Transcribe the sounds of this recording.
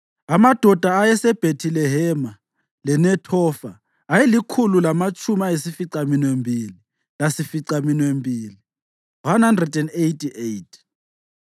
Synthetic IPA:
amad̥ʱɔd̥ʱaːjɛsɛb̥ʱetʰilɛɦɛma | lɛnɛtʰɔfa̰ː | jelikʰululamat͡ʃʼʰumaesifiǀaminwembʱili | lasifiǀaminwembʱiːli | wanhandrɛdɛndejtʰʼiʔejtʰʼ

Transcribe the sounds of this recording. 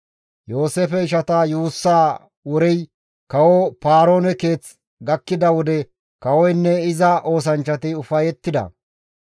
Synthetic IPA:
jo̞ːseːfɛɪʃ̬ɐt̪ɐjuːsːaː | wɔɾɛj | kɐwɔpaːɾo̞ːnɛke̞ːt͡s | ɡɐkːɪd̪ɐwɔd̪ɛ | kɐwɔjnːɛɪzɐʔo̞ːs̬ɐnt͡ʃːɐt̪ɪʊfɐjɛt̪ːɪd̪ɐ̰

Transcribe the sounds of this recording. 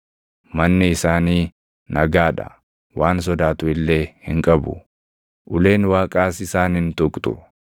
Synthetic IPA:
mɐnːɪɪsaːniː | nʔɐɡaːᶑɐ̰ | waːns̬ɔd̪aːt̪ʊɪlːe̞ːhɪŋkʼɐbʊ̰ | ʔʊle̞ːnwaːkʼaːsɪsaːnɪnt̪ʊkʼt̪ʼʊ̰

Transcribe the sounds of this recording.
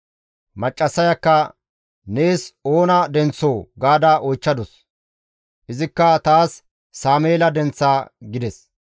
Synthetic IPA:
mɐt͡ʃʼːɐsːɐjɐkːɐ | neːsoːnɐd̪ɛnt͡sːoːɡaːd̪ɐʔɔjt͡ʃːɐd̪ɔs | ʔɪzɪkːɐt̪aːsː | aːmeːlɐd̪ɛnt͡sːaːɡɪd̪ɛs

